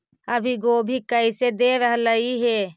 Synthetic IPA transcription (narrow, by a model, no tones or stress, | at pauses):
əbʱiɡoːbʱikəised̪eːɾəɦləiɦeː